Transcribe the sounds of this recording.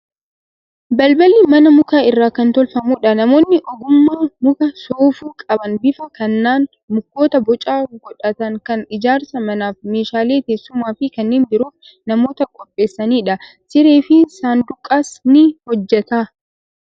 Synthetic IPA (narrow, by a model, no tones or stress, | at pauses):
bɐlbɐlimɐnɐmʊkaːɪrːaːkɐnt̪ɔlfɐmuːᶑɐnɐmo̞ːnːɪʔɔɡʊmːamʊkɐsoːfuːkʼɐbɐnbɪfɐkɐnːaːn | mʊkːo̞ːt̪ɐbɔt͡ʃʼaːɡɔᶑɐt̪ɐŋkɐnɪd͡ʒaːɾsɐmɐnaːfme̞ːʃaːle̞ːt̪e̞ːsːʊmaːfɪkɐnːeːnbɪɾuːf | nɐmo̞ːt̪ɐkʼɔpʼːe̞ːsːɐniːᶑɐ | sɪɾe̞ːfɪsaːnd̪ʊkʼːaːsnɪhɔd͡ʒːɛt̪aː